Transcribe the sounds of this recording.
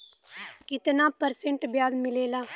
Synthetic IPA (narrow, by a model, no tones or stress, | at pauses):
kɪt̪naːpəɾsẽɳʈbjaːzmɪleːlaː